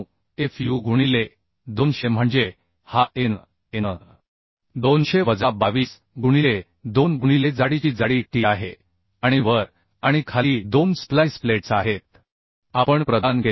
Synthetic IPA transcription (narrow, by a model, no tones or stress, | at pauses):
efjuɡʱuɽ̃ile | d̪onɕem̤əɳd͡ze | haʔen | enə | d̪onɕeʋəd͡zabaʋiːs | ɡʱuɽ̃ile | d̪onɡʱuɽ̃iled͡zaɽit͡ɕiːd͡zaɽiːʈiaɦe | aɽ̃iʋəɾ | aɽ̃ikʰaliːd̪onsplajspleʈsaɦet̪̚ | apəɳpɾəd̪anɡʱe